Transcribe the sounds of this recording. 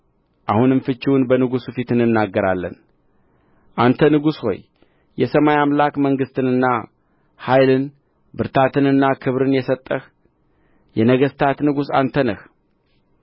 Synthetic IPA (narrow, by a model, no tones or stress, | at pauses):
ʔahunɨɱfɨt͡ʃːɪwunbənɨɡusufit̪ɨnːɨnːaɡːəɾalːə̰n | ʔant̪ʰənɨɡusho̞̰j | jɛsəmajamlakməŋɡɨst̪ʰɨnɨnːa | hajlɨn | bɨɾt̪ʰat̪ʰɨnɨnːakʰɨβɾɨnjɛsət̪ʼːəh | jɛnəɡəst̪ʰat̪nɨɡusa̰nt̪ʰənəh